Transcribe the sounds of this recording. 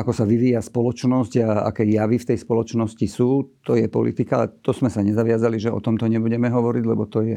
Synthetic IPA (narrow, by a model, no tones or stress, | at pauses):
akɔsaʋiʋiːjaspɔlɔt͡ʃnɔsɟaa̰kɛjaʋift̪ɛjspɔlɔt͡ʃnɔscisuːt̪ɔjɛpɔ̰lḭt̪ikat̪ɔzmɛsaɲɛzaʋɪazaliʒɛɔ̰t̪ɔmt̪ɔɲɛbuɟɛmɛɦɔʋɔɾiɟlɛbɔt̪ɔjɛ